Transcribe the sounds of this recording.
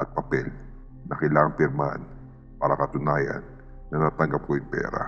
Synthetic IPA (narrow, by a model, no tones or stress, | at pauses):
ʔɐt̪̚pɐpɛl | nɐkɐjlaːŋɐŋpɪɾmaha̰n | paːɾɐkɐt̪ʊnaːjɐ̰nː | ɐnaːt̪ɐŋɡɐp̚kojʊŋpɛ̰ːɾa̰